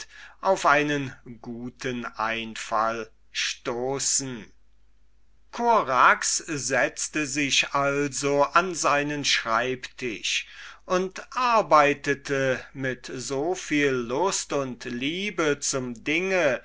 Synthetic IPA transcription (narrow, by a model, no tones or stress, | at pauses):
ʔaʊfʔaɪnənɡuːtʰənʔa̰ɪnfa̰l | ʃtoːsn̩ | kʰoʁakszɛt͡stəzɪʃʔalzoʔanzaɪnənʃʁ̥aɪptʰɪ̰ʃʔʊntʔaɐbaɪtətʰəmɪtzofiːlːʊstʊntliːbət͡sʊmdɪŋə